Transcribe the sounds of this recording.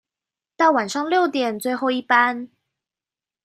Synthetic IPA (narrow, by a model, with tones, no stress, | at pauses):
t̪ɑ˥˩wa˨˩nʂɑ˥˧ŋljo˥˨˩ʊt̪jɛ˨˩nt͡swe˥˧ɪxo˥˧ʊi˥˩pa˦n